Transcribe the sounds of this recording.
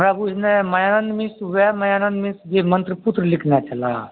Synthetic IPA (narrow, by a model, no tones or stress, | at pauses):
ɾabunemɐjanənd̪mĩsuʋamɐjanənd̪mĩsd͡ʒemənt̪ɾəput̪ɾəlikʰnat͡ʃɐla